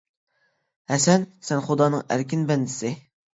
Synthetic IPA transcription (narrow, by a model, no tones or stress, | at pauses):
hɛsɛnsɛnχʊd̪ɑːnɨŋæ̰ɾkʲɪnbɛnd̪ɪsɪ